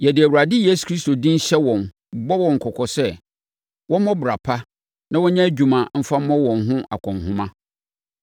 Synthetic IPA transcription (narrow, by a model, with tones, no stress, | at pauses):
jɛ˨dɪ˨æ˨wu˨ɾa˨dɪ˦je˦su̥˨kʰɾi˦sto˨dĩ˦n̩˦ɕɛ˦wɔ̃˨n | bɔ˦wɔ̃˨ŋ̩˨kʰɔ˨kʰɔ˨sɛ˦ | wʔɔ˦mɔ̃˦bʊ˨ɾa˨pʰa˦ | nã˦wɔ˦ɲã˦æ˦d͡ʑᶣu˨mã˨m̩˦fa˦m̩˦ɔ̃˦wɔ̃˨nɦʊ̃˦ʔa̰˨kʷʰɔ̃˨nhʊ̃˦mã˦